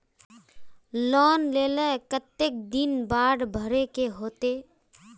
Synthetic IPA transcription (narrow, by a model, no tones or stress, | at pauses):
lɔːnleːlekət̪ːek̚d̪ɪnbaːɽbʱəɾekeɦoːt̪eː